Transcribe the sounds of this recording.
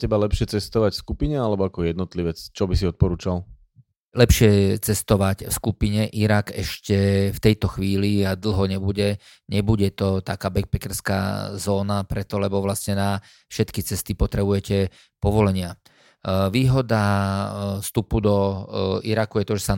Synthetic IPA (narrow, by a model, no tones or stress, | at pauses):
cɛbalɛpʃɪɛt͡sɛst̪ɔʋacfskupiɲɛalɛbɔakɔjɛd̪nɔt̪liʋɛt͡st͡ʃɔbisiɔt̪̚pɔɾuːt͡ʃal | lɛpʃɪɛt͡sɛst̪ɔʋacfskupiɲɛʔiɾakɛʃcɛft̪ɛjt̪ɔxʋiːliad̪l̩ˠɦɔɲɛbuɟɛ | ɲɛbuɟɛt̪ɔt̪akaːbɛk̚pɛkɛɾska̰zɔːnapɾɛt̪ɔlɛbɔʋlasɲɛna | fʃɛt̪kit͡sɛst̪ipɔt̪ɾɛbujɛcɛ | pɔʋɔlɛɲɪa | ʋiːɦɔd̪a | st̪upud̪ɔiɾakujɛt̪ɔʒɛsa